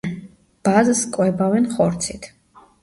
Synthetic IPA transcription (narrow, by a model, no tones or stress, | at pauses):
b̥azskʼwɛbavɛnχɔɾt̪sʰit̪ʰ